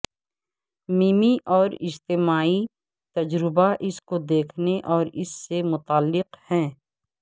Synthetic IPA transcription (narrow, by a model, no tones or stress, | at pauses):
miːmiʔɔːɾɪd͡ʒt̪ɪmaːi | t̪ɐd͡ʒɾɪbaʔɪskod̪eːkʰneʔɔːɾɪsːemʊt̪aːlːɪqhɛ̃ː